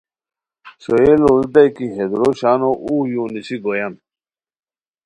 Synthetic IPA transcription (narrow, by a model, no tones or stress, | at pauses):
soelold̪ɐjkiɦed̪ɾoɕaːnoʔujũːnisiɡojɐn